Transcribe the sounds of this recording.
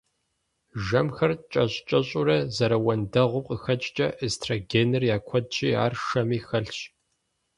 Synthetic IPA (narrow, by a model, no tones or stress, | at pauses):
ʒɐmxɐrt͡ʃʼɐɕʼt͡ʃʼɐɕʼʊɾɐzɐɾɐwɐndɐʁʷʊqʼəxɐt͡ʃʼt͡ʃʼɐʔestʰraɡeːnɨrjaːkʷʰɔd̚t͡ʃʼiːa̰ːrʂɐmiːxɐɬɕ